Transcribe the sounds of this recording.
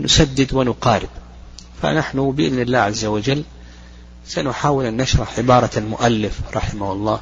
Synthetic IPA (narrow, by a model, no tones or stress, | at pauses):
nʊsad̪ːɪd̪wɪnʊqɑːɾɪb | fa̰naħnubɪʔɪðnɪlːaːʕazːawad͡ʒalː | sanʊħaːwɪlʔanːaʃɾˤɑħʕɪbɑːɾˤɑlmʊʔalːɪfɾˤɑ̰ħɪmahʊlˤːɑː